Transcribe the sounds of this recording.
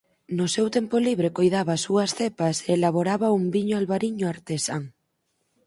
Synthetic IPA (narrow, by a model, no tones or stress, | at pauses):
nʊsewt̪empoliβ̞ɾekojðaβasuɐsθepɐseːlaβoɾaβaumbiɲoalβaɾiɲoaɾt̪esaŋ